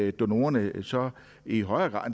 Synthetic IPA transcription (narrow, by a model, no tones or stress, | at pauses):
d̥o̝no̝̰ːɐnəsɒ̽ | iɦɒɪɐːɡ̥ʁɑ̰̈ːðˠn